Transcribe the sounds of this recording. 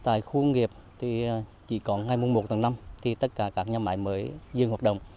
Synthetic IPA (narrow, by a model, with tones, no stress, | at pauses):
t̪a̰ː˧˨jxu˧ŋŋi˨˩əp̚t̪ʰi˨˩t͡ɕḭ˧˩kɔ˨˦nŋa˨˧jmu˧mo˨˩t̚t̪ʰə˨˦na˧mt̪ʰi˨˩t̪ə˦˥t̚kaː˧˩kaː˦˥k̚ɲaː˧ma̰ː˧˨˦jməː˨˦jzɨ˧ŋhaː˨˩t̚ɗə̰˧˨wŋ͡m